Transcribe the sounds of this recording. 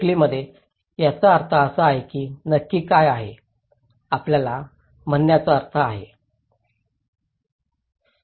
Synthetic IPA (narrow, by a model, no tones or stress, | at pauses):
kliməd̪ʱːje | jat͡səəɾt̪ʰəəsəaɦekiːnəkːiːkajaɦe | apljala | m̤ənːjat͡səəɾt̪ʰəaɦe